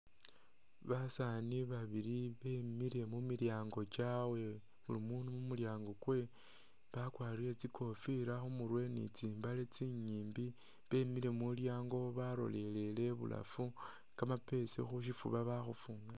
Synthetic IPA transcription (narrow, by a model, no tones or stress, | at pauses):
βasaniβaβiɾiβe̞miɾe̞mumiɾjaːŋɡo̞t͡ʃawe̞ | βulimuːnumumuljaːŋɡokwe̞ | βakwaːɾile̞t͡sikʰo̞fiɾaxumuɾwe̞nḭt͡siːmbalet͡siɲiːmbi | βe̞miɾe̞muljaːŋɡo̞βaɾo̞̰le̞le̞le̞βṵla̰fu | kamape̞sḛxuʃ̬ifṵβaβaxufuːŋɡa